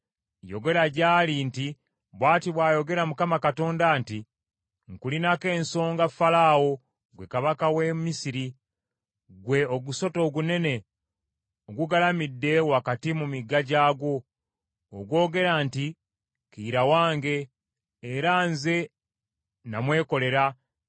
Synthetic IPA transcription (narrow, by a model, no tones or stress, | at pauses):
joɡe̞ɾaɟaːlinti | βwaːtiβwaːjo̞ɡe̞ɾamukamakato̞ːndaːnti | ŋkulinake̞ːnso̞ːŋɡafalaːwo̞ | ɡwe̞kaβakawe̞misiɾi | ɡwe̞oɡuso̞to̞ːɡune̞ne̞ | oɡuɡalamidːe̞wakatimumiɡːaɟaːɡwo̞ː | ɡwo̞ːɡe̞ɾaːnti | kiɾawaːŋɡe̞ː | ɾanze̞ | namwe̞ːko̞le̞ɾa